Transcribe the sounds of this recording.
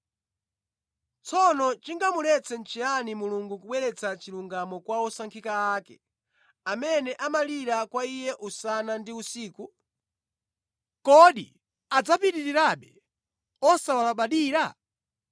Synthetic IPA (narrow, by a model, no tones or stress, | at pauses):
t͡sʰɔnɔt͡ʃiŋɡamulɛt͡sɛn̩t͡ʃianimuluŋɡukuɓwɛɾɛt͡sat͡ʃiluŋɡamɔkwaɔsaŋkʰikaaːkɛ̰ | amɛnɛʔamaliɾakwaijɛʔusanandiusiːku | kɔɗḭ | ad͡zapiɾiɾiɾaɓɛ | ɔsawalaɓaɗiːɾa